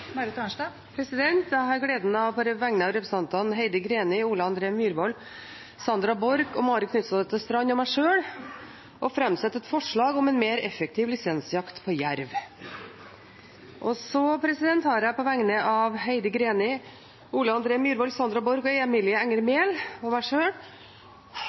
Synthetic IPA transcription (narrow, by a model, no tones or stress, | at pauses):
mɑɾət̪ʰɑnɑ | pʰɾɛsɪd̪ɛnt̪jæɪɑɾɡɽeːd̪nəɑʋpɔɾʋæŋnəɑʋɾɛpɾəsɑnt̪ɑnɦeɪd̪əɡɾeːnɪuːləɑnd̪ɾeːmjyːɾʋɔl | sɑnd̪ɾɑbɔɾɡɔmɑːɾəkʰnʏt̪sɑd̪ət̪ʰːɪlst̪ɾɑɲːɔmæɪʂøːɽ | ʔɔfɾɑmsɛt̪ːɛt̪fɔʂɭɑːɡɔmɛnmeːɾɛfɛk̚t̪ʰɪʋlɪsɛnsjɑkt̪pʰɔjæɾʋ | ʔɔsɔpʰɾɛsɪd̪ɛnt̪hɑːɾəpɔʋæŋnəʔɑʋɦeɪd̪əɡɾeːnɪ | uːləɑnd̪ɾeːmjyːɾʋɔlsɑnd̪ɾɑbɔɾɡɔeːɛmɪlɪəæŋːəɾmeːlɔmæɪʂøːɽ